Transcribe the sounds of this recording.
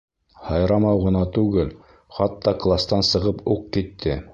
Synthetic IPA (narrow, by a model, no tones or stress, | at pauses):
hɑjɾɑmɑwʁɤ̆nɑt̪ʉɡɘl | χɑt̪ːɑklˠast̪ɑnsɤ̆ʁɤpuq̚kit̪ʰːɘ